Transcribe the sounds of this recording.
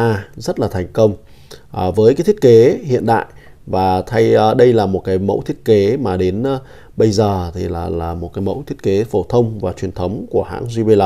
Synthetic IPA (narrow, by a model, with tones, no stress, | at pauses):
aː˧zə˦˥t̚laː˨˩t̪ʰɛ˨˩ŋ̟kə˧wŋ͡m | ʔvəː˨˦jkaː˨˦t̪ʰi˦˥ə˥˦ke˨˦hḭ˧˨ənɗa̰ː˧˨j | vaː˨˩t̪ʰa˧jɗə˧jlaː˨˩mo˨˩t̚kaː˨˦jmə̰˧˥wt̪ʰi˦˥ət̚ke˨˦maː˨˩ɗe˨˦nː˧ | ɓə˧jzəː˨˩t̪ʰi˨˩laː˨˩laː˨˩mo˨˩t̚kaː˨˦jmə̰˧˥wt̪ʰi˦˥ət̚ke˨˦fo˧˩t̪ʰə˧wŋ͡mvaː˨˩t͡ɕwi˨˩ənt̪ʰə˨˦wŋ͡mku˧˩əha̰ː˧˥ŋzi˧ɓe˧la˧